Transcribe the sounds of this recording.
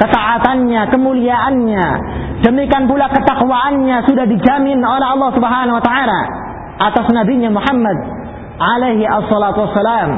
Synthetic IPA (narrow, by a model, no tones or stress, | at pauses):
kət̪aʔat̪anɲakəmuliaʔanɲa | dəmikanpulakət̪akuwaʔanɲasudahdid͡ʒamɪnolɛɦɑlːɑhsubəɦanawat̪aʕala̰ | ʔat̪asnabiɲamuħamːad̪̚ | ʕalejɦiʔasːɔlat̪uasːalaːm